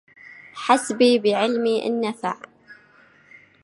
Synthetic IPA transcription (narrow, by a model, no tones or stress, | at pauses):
ħasbiːbɪʕɪlmiʔɪ̰nːafa̰ʕ